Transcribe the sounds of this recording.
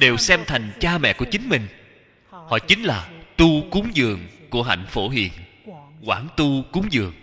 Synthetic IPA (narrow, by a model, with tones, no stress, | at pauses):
ɗe˨˩wsɛ˧mt̪ʰa˨˩jŋ̟t͡ɕaː˧mɛ̰˧˨ku˧˩ət͡ɕï˨˦ŋ̟mï˨˩ŋ̟ | hɔ̰˧˨t͡ɕï˨˦ŋ̟laː˨˩t̪u˧kʊ˨˦ŋ͡mzɨ˨˩əŋku˧˩əɦa̰˧˨jŋ̟fo˧˩ɦḭ˧˨ən | kwaː˧˩nt̪u˧kʊ˨˦ŋ͡mzɨ˨˩əŋ